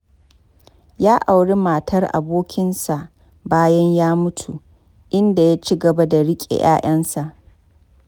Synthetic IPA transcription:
jaː˦ʔa˨wɽe˦ma˨tʰɐ˦rʔa̰˨boː˦kʲɪ˦nsa˨ʔ | baː˦jɐ˦ɲjaː˦mʊ˦tʰu˨ʔ | ʔɪ˦nda˨jaː˦t͡ʃi˦ɡɐ˨ba˦da˨ɽɪ˦kʲʼḛ˨jʔa̰ː˦ʔɐ˦nsa˨ʔ

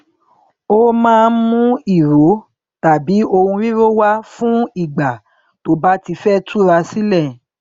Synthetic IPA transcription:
o˦mãː˦˧nmũ˦i˦˨ɾo˨˦ | ta˨bi˨˦o˧hũ˧ɾĩ˦ɾo˦wa˦fũ˦i˦˨ɡ͡ba˨ | to˨˦ba˦ti˧fɛ˦tʰu˦ɾa˧si˦lɛ˦˨

